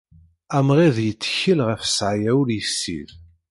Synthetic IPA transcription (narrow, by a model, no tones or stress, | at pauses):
æmʁiðjət͡sːçəlʁəfə̥sʕjæwɾjəsːḭð